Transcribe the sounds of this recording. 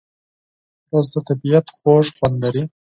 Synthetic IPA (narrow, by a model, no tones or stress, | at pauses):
ɾozd̪ət̪abijat̪xoʒxwand̪laɾi